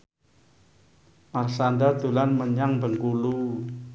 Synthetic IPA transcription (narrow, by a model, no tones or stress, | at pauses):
marsandad̪ulanməɲaŋbəŋkulu